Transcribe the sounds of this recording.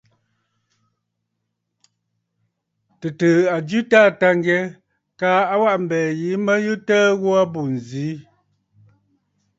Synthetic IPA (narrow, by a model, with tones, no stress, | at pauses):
tə˨təː˨a˨d͡ʒʉ˦taː˦˨ta˦ŋ˦ɡɛ˦ | kaː˨˦a˦wa˦ʔm̩˨bɛː˨ji˨˦mə˦jɨ˦tɛː˦ɣwa˦bu˨n˨ziː˨˦